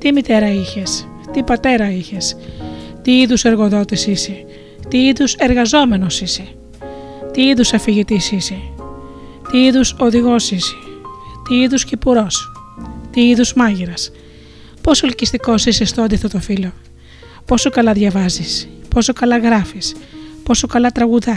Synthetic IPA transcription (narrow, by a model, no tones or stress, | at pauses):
t̪imit̪e̞ɾɐiçes | t̪ipɐt̪e̞ɾɐiçe̞st̪iiðuse̞ɾɣo̞ðo̞t̪isise | t̪iiðuse̞ɾɣɐzo̞me̞no̞sise | t̪iiðusɐfiʝit̪isise | t̪iiðuso̞ðiɣo̞sise̥t̪iiðuscipuɾo̞st̪iiðuzmɐʝiɾɐs | po̞solicist̪iko̞sisest̪oɐnd̪iθɐt̪ofilo̞ | po̞so̞kɐlɐðʝɐvɐzispo̞so̞kɐlɐɣɾɐfispo̞so̞kɐlɐt̪ɾɐɣuðɐ